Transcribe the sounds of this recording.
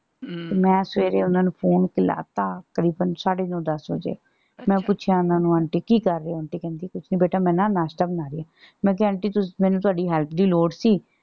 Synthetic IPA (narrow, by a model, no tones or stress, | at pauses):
t̪eːmɛ̃ːsʋeːɾeːʊnaːnũːpʰoːnkɪla̰ːt̪ãːkəɾiːbənsaːɽeːnõːd̪əsʋə̰d͡ʒḛː | mɛ̃ːpʊt͡ʃʰjãːʊnãːnũːəɳʈiːkiːkəɾːeːoɳʈiːkɛ̃ːnd̪ikʊt͡ʃʰniːbeːʈaːmɛ̃ːnãːnaːsʈaːbənaːɾeaː | mɛ̃ːk̬ɛəːɳʈiːt̪ʊmɛ̃ːnũːt̪ʊaːɖiːɦɛːlpʰd̪iːloːɖsiː